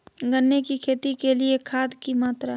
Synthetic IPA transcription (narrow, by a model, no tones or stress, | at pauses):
ɡənːekikʰeːt̪ikeliekʰaːd̪kimaːt̪ɾa